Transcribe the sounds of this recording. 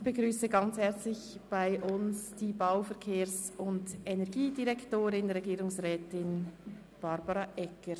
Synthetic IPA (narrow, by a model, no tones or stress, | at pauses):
b̥əɡʁyːsəɡɑnt͡shɛʁt͡slɪçb̥aɪʔʊnsd̥iːbaʊfɛʁkʰeːʁsʊndɛnɛʁɡiːdiʁɛktoːɾɪnɾɛɡiːɾʊŋsʁɛːtɪn | b̥ɑɾbɑʁɑʔɛkəɾ